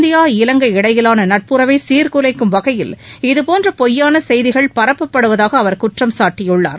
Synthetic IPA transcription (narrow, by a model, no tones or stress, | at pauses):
d̪ɪjaːɪlɐŋɡɐɪɽɐjɪlaːnɐnɐʈ̚pɯɾɐʋeːsiːɾkɯlɐɪkːɯmʋɐɣɐjɪlɪðɯpoːndrɐpɔjːaːnɐsɛjðɪɣɐɭpɐɾɐpːɐpːɐɽɯʋɐðaːɣɐːʋɐɾkʊʈrɐmsaːʈːɪjʊɭːa̰ːɾ